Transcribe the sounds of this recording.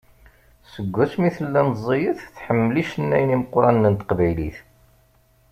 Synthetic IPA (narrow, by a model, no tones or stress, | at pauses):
səɡʷːæsmiθəlːænzˤijəθθħəmːəliʃənːæjniməqɾˤɑnːənt̪ə̥qvæjlḭθ